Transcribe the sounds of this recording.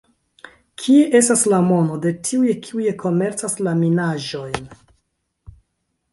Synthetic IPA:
kʰie̞ʔe̞staslamo̞no̞de̞tʰiujekʰiuje̞kʰo̞me̞ɾt͡saslaminaʒo̞jn

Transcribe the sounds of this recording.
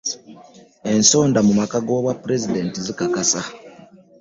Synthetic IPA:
e̞nso̞ːndamumakaɡo̞ːβwapːuɾe̞zide̞ntizikakasa

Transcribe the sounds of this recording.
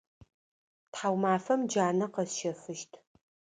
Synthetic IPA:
tħawmaːfɐmd͡ʒaːnɐqɐsʃɐfɨʃtʰ

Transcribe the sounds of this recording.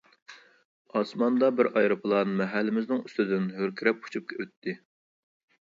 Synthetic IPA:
ɑsmɑnd̪ɑbɪɾʔɑjɾɨpʰɨlˠɑnɨmɛɦælːɪmɪznɪŋyst̪ɪd̪ɪnɦøɾkʲʰiɾɛp̚u̥t͡ʃʰup̚kʲʰɛøt̪ʰːɪ

